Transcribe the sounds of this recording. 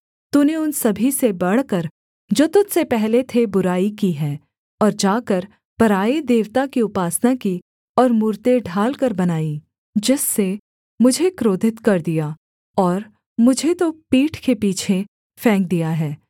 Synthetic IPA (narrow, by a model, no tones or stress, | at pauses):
t̪uneʊnsɐbʱisebɐɽ̤kəɾ | d͡ʒoːt̪ʊt̪sepɛɦlet̪ʰebʊɾaːikiɦɛː | ɔːɾd͡ʒaːkəɾ | pɐɾaːed̪eːʋt̪akiʊpaːsnaki | ɔːɾmʊːɾt̪eɖʱaːlkɐɾbɐnaːi | d͡ʒɪsːe | mʊd͡ʒʱekɾoːd̪ʱɪt̪kɐɾd̪ijaː | ɔːɾ | mʊd͡ʒʱet̪opiːʈʰkepiːt͡ʃʰe | fɛ̃ːŋk̚d̪ijaɦɛː